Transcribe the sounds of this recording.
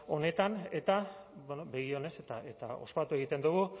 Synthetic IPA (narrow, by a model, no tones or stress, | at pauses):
o̞ne̞t̪ane̞t̪abenobe̞ɣio̞ne̞se̞t̪aʔe̞t̪a̰o̞̰spat̪ue̞ɣit̪e̞nd̪uɣ̞u